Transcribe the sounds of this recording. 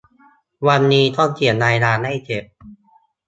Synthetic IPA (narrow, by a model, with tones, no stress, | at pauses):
wa˧nːiː˦˥t̪ɔ˥˩ŋt͡ɕ̪i˨˩ənːaː˧jnaː˧nːa˥˩jt̪ʰe˨˩p̚